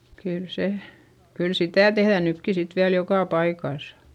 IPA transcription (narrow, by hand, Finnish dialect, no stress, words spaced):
kyl se kyl sitæˑ tehðæˑ nykːi sit ʋiæl jokɑˑ pɑikɑˑsɑ̥